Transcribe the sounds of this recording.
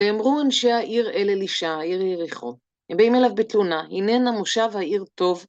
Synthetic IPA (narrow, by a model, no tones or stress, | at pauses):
eamʁuanʃehaʔiʁeleliʃahaiʁjeʁiχo | hembeimelavbet̪lunahinenamoʃavhaʔiʁt̪o̞v